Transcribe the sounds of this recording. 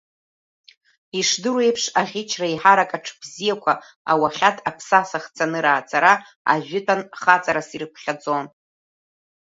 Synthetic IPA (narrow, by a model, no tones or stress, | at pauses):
iʂdɨre̞jpʰʂaʁʲɪt͡ʃʰraiħaɾakʼaʈ͡ʂʰb̥zijakʷʰa | a̰waχʲatʰʼapʰsasaχt͡sʰanɨɾaːt͡sʼaɾa | a̰ʒᶣʊtʰʼanχat͡sʼaɾasirɨkʷʰχʲad͡zʼo̞n